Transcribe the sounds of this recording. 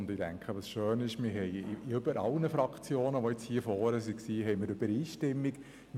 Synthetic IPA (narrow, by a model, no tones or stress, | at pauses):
ndɪdæ̰ŋkʰχəʋɑsʃøːnɪʃmɪɾɦɛɪʏb̥əɾʔɑ̰lnəfɾɑkχt͡sjoːnəʋɔjɛt͡shiːəfɔːɾəsiksiːɦɛɪmɪɾʉb̥əɾiːʃtɪmːik